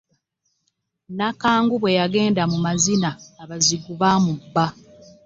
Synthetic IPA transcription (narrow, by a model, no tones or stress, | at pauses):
nakaːŋɡuβwe̞jaɡe̞ːndamumazinaːβaziɡuβaːmubːa